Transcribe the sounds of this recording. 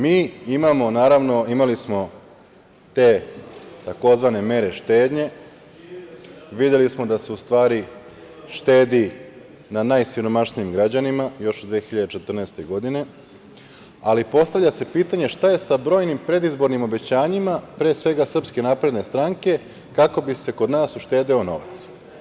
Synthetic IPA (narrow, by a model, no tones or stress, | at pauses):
miːimamo̞naːɾaʋno̞imalismo̞ | t̪e̞ːt̪ako̞zʋane̞me̞ɾe̞ʃt̪e̞ːd̪ɲe̞ | ʋid̪je̞lismo̞d̪aseust̪ʋaːɾi | ʃt̪e̞ːd̪i | nanajsiɾo̞maʃnijimɡɾad͡ʑanimajo̞ʃd̪ʋijexiʎad̪et͡ʃe̞t̪r̩neːst̪e̞ɡo̞d̪ine̞ | alipo̞st̪aʋʎase̞piːt̪aɲe̞ʃt̪aje̞sabɾo̞ːjnimpɾe̞d̪izbo̞ɾnimo̞be̞t͡ɕaːɲimapɾe̞ːsʋe̞ɡasr̩pske̞napɾe̞d̪ne̞st̪ɾaŋke̞ | kako̞bise̞ko̞d̪naːsuʃt̪e̞ːd̪io̞no̞̰ʋa̰t̪s